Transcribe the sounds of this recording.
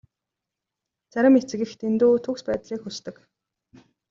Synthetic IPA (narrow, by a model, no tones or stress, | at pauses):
t͡sæɾʲɪ̆met͡sɘ̆ɣɘ̆xt̪ʰent̪uːt̪ʰukspæːt̪ɮiːkxɵst̪ɘ̆k